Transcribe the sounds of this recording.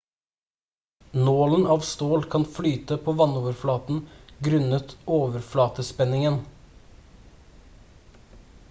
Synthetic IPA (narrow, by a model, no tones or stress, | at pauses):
noːln̩ɑːʋst̪oːlkʰɑnflyːt̪əpʰoːʋɑnoːʋəɾflɑːt̪n̩ɡɾʉnət̪oːʋəɾflɑːt̪əspɛnɪŋən